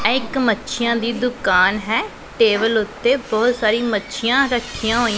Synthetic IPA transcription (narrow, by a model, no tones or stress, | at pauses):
ɛɪkmətːʃʰɪjãːd̪iːd̪ʊkaːnɦɛː | ʈeːbəlʊt̪ːeːbɔːt̪saːɾiːmətːʃʰɪjãːɾəʈʰːɪjãːɦoːi